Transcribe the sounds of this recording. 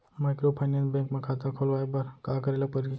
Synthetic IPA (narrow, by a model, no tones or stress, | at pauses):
makɾopʰaɪnenbẽŋkmẽkʰat̪akʰolʋaːjbɐɾkaːkəɾeləpəɾ